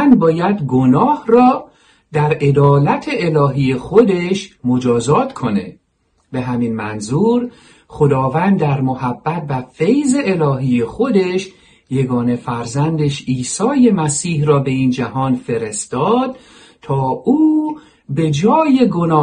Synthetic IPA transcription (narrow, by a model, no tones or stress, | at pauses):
nbɒːjæd̪ɡo̞nɒːhrɒː | d̪æɾe̞d̪ɒːlæt̪ʰe̞ʔelɒːɦiːjexod̪e̞ʃmo̞d͡ʒɒːzɒːt̪ʰkʰo̞ne̞̰ | be̞ɦæminmænzuːɾ | χo̞d̪ɒːvænd̪ːæɾmohæbːæt̪̚væfe̞jze̞ːlɒːɦiːjexo̞d̪e̞ʃ | je̞ɡɒːne̞fæɾzænd̪e̞ʃiːsɒːje̞mæsiːhrɒːbe̞iːnd͡ʒæɦɒːnfe̞ɾe̞st̪ɒːd̪̥ | t̪ʰɒːʔuː | be̞d͡ʒɒːje̞ɡo̞nɒː